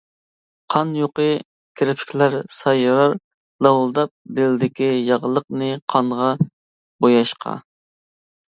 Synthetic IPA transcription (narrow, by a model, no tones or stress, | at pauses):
qʰɑnjoqə | kʲʰɾɪpʰɪ̥kʲʰlæɾsɑjɑɾɑɾ | lɑwulˠd̪ɑp̚d̪ɪlɪd̪ɪkʲijɑʁlˠəqnɨqʰɑnʁɑ | bojɑʃqʰɑ̰